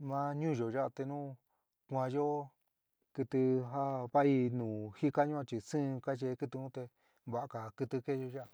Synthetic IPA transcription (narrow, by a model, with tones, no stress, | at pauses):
mã˦ɲũ˦˨ʒo˨ʒa˦˧t̪e˧nũː˦ | kʷã˧jo˦ | kɨ˧t̪ɨ˧ɦa˦βa˦i˧nũː˨hi˦ka˦ɲũ˦ã˧t͡ʃi˨sɨ̃˦˧ka˦t͡ʃe˧kɨ˦˧t̪ũ˦t̪e˧ | βa˨a˧ka˨kɨ˧t̪ɨ˧ke˦˧ʒo˧ʒa˦˧˨